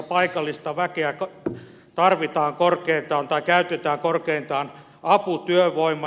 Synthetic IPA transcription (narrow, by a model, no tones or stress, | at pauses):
pɑikɑlːist̪ɑʋækeækɑ | t̪ɑrʋit̪ɑːŋkorkeint̪ɑːnt̪ɑikæyt̪et̪æːŋkorkeint̪ɑːn | ɑput̪yøʋoimːˑɑ